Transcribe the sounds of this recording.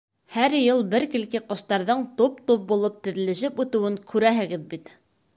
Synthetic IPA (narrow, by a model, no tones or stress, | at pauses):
hæɾjɤlˠbɘɾkɘ̆lkɘqŏʃt̪ɑɾðɤɴt̪up̚t̪up̚bulˠɤp̚t̪ɘ̆ðɘ̆lɘ̆ʃɘpʉt̪ɘ̆wɘŋkʰʉɾæɦɘ̆ɡɘðbit̪